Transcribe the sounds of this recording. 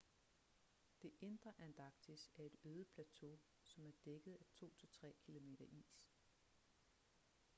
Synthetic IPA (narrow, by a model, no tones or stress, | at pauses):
d̥e̝ʔe̝nd̥ʁɐʔænd̥ʰɑ̈ɡ̥t͡sʰisæɐe̝ɾ̥øːð̞̩ˠpʰlæt͡sʰo̝̰ | sɒ̽mæɐd̥eɡ̥əð̩ˠæt͡sʰo̝̰ːt͡sʰe̝t͡sʰʁɛ̰ːkʰilo̝me̝̰ːɾ̥ɐʔḭːs